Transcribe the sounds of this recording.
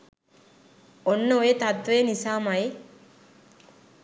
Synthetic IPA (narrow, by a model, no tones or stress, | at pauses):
onːəoet̪ɐt̪ʋeːnisaːmɐe